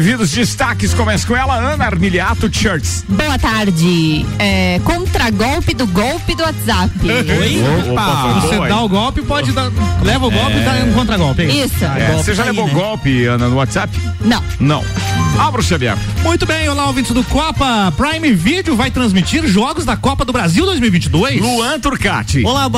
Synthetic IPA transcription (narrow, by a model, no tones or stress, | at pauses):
vid̪ʊzd͡ʒist̪akɪskõmɛskõɛlɐɐ̃nɐaɾmiliat̪ʊt͡ʃɛɾt͡ʃsboɐt̪aɾd͡ʒɪ | ɛkõnt̪ɾɐɡɔwpɪd̪ʊɡɔwpɪd̪ʊat̪zap | opaosed̪aʊɡɔwpɪpɔd͡ʒɪd̪alɛvɐʊɡɔwpɪd̪ãkõnt̪ɾɐɡɔwpeisʊɛɡɔseʒalevoɡɔwpɪɐ̃nd̪ɐnʊwat̪z̥apɪnɐ̃w̃nɐ̰̃w̃abɾʊsiɐbiɛ̰ɾmũj̃t̪ʊbẽj̃olaowvĩnt͡ʃɪzd̪ʊkɔpɐpɾajmɪvid͡ʒɪʊvajt̪ɾɐ̃zmit͡ʃiɾʒɔɡʊzd̪ɐkɔpɐd̪ʊbɾaziwd̪ojzmiuwivĩt͡ʃɪd̪ojsluɐ̃t̪uɾka̰t͡ʃɪolab